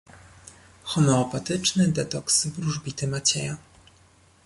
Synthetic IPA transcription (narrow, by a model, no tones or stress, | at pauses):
xɔmɛɔpat̪ɘt͡ʂnɘd̪ɛt̪ɔksbɾuʐbʲit̪ɘmat͡ɕɛja